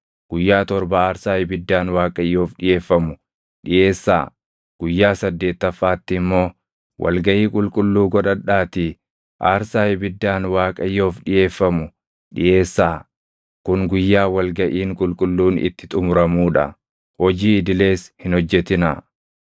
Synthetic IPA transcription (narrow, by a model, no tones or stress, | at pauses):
ɡ̥ʊjːaːt̪ɔɾbɐaːɾsaːjɪbɪd̪ːaːnwaːkʼɐjːo̞ːfᶑɪje̞ːfːɐmʊ | ᶑɪje̞ːsːa̰ː | ɡ̥ʊjːaːsɐd̪ːe̞ːt̪ːɐfːaːt̪ːɪmːo̞ː | wʔɐ̰lɡɐʔiːkʼʊlkʼʊlːuːɡɔᶑɐᶑːaːt̪i | ʔaːɾsaːjɪbɪd̪ːaːnwaːkʼɐjːo̞ːfᶑɪjʔe̞ːfːɐmʊ | ᶑɪjʔe̞ːsːaː | kʊŋɡʊjːaːwɐlɡɐʔiːŋkʼʊlkʼʊlːuːnɪ̰t̪ːɪ̥t̪ʼʊmʊɾɐmuːᶑɐ̰ | hɔd͡ʒiːɪd̪ɪle̞ːshɪnhɔd͡ʒːɛt̪ɪna̰